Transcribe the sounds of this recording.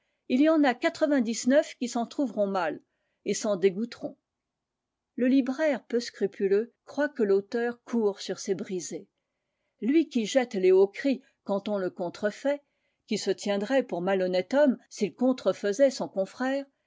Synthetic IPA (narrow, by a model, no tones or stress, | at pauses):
ilijɑ̃nakat̪χəvɛ̃d̪iznœfkʲisɑ̃t̪χuvʁɔ̃mal | esɑ̃d̪eɡut̪ʁɔ̃ | ləlibʁɛʁpøskχypʰyløkχwakəlot̪œʁkʰuːʁsyʁsebʁize | lɥikʲiʒɛt̪leokχi | kɑ̃t̪ɔ̃ləkɔ̃t̪χəfɛ | kʲisət̪jɛ̃d̪ʁɛpuʁmalɔnɛt̪ɔmsilkɔ̃t̪χəfəzɛsɔ̃kɔ̃fχɛːʁ